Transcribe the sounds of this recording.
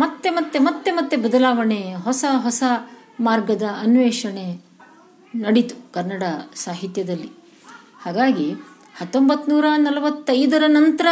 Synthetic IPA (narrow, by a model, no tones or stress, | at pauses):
mɐt̪ːe̞mɐt̪ːe̞mɐt̪ːe̞mɐt̪ːe̞bɐd̪ɐlaːʋɐɳeɦɔsɐɦɔsɐmaːɾɡɐd̪ɐːnʋeːʂɐɳe | nɐɽit̪u̥kɐɾnɐɽɐsaːɦit̪jɐd̪ɐlːi | haːɡaːɡi | hɐt̪ːombɐt̪ːnuːɾɐnɐlɐʋɐt̪ːɐjd̪ɐɾɐnɐnt̪ɐɾɐ